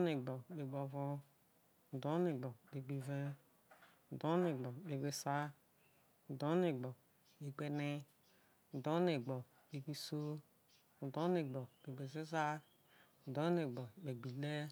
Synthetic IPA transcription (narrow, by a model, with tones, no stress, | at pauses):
ne˨ɡ͡bɔ˨be˨ɡ͡bo˨vo˦˨ | do˦ne˨ɡ͡bɔ˨be˨ɡ͡bi˨ve˦˨ | do˦ne˨ɡ͡bɔ˨be˨ɡ͡be˨sa˦˨ | do˦ne˨ɡ͡bɔ˨ | be˨ɡ͡be˨ne˦˨ | do˦ne˨ɡ͡bɔ˨ | be˨ɡ͡bi˦so˦˨ | do˦ne˨ɡ͡bɔ˨be˨ɡ͡be˨ze˦za˦˨ | do˦ne˨ɡ͡bɔ˨be˨ɡ͡bi˨le˦